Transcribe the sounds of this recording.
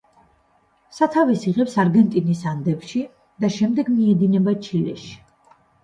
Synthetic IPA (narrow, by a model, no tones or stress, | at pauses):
sat̪ʰavisiʁɛpsaɾɡɛnt̪ʼinisand̪ɛpʃi | d̪̥aʃɛmd̪ɛɡmiɛd̪inɛbat͡ʃʰilɛ̰ʃi̥